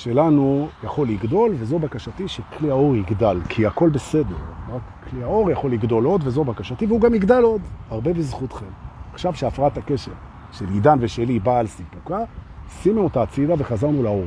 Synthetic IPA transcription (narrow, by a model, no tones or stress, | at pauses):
ʃe̞lanujaχo̞liɡdo̞lvezo̞bakaʃatiʃekliao̞ʁiɡdalkʰiako̞lbe̞se̞deʁʁakkliao̞ʁjaχo̞liɡdo̞lo̞dvezo̞bakaʃativeuɡamiɡd̪alo̞daʁbe̞bezχutχemaχʃavʃeafʁaatake̞ʃe̞ʁ | ʃe̞lidanve̞ʃelibaːlsipukasinuotat͡sidave̞χazaʁnulao̞ʁ